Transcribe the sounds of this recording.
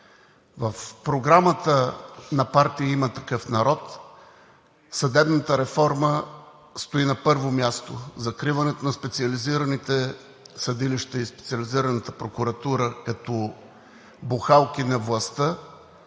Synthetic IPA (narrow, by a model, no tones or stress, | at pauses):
vəfpɾoɡɾamət̪ənɐpaɾt̪iimət̪ɐkɤfnɐɾɔt̪ | sɐd̪ɛbnət̪əɾɛfɔɾmə | st̪oinɐpɤɾvomʲjast̪ozɐkɾivɐnɛt̪onɐspɛt̪siɐliziɾɐnit̪ɛ | sɐd̪iliʃt̪əispɛ̥t̪siɐliziɾɐnət̪əpɾokuɾɐt̪uɾəkɐt̪ɔ | bʊxalˠk̟inɐvlˠɐst̪ə